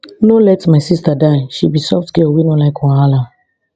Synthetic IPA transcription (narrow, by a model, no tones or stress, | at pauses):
nolɛtmaɪsistadaɪʃibisɔftɡeowinolaɪkɔ̃ala